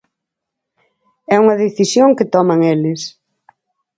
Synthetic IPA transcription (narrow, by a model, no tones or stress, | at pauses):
ɛuŋɐðeθisjoŋkɪt̪ɔmɐŋelɪs